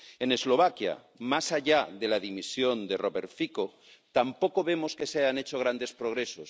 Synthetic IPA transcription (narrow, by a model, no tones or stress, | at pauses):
e̞ne̞zlo̞β̞akja̰ | masaʎaðe̞laðimisjo̞nd̪eroβe̞ɾfiko | t̪ampo̞ko̞βe̞mo̞ske̞saʝane̞t͡ʃo̞ɣ̞ɾand̪e̞spɾoɣ̞ɾe̞sos